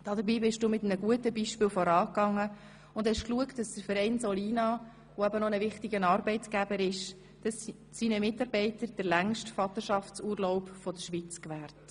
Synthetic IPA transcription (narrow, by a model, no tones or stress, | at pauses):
d̥ɑd̪əɾbiːbɪʃd̥uːmɪtmnəɡuətəbiːʃpɪːlfɔɾɑːkɑŋːə | ʊndhɛʃkluəktd̥ɑsd̥əɾfɛɾɛɪnsɔliːnɑ | ʋoæbənɔnəʋɪχtiɡənɑːɾbɛɪtɡæbəɾɪʃ | d̥ɑs | siːnəmɪtɑɾb̥ɛɪtəɾd̥əɾlæŋʃtfɑt̪əʃɑft͡suːɾlɔʊpfɔd̪əʃʋiːt͡skʋæːɾt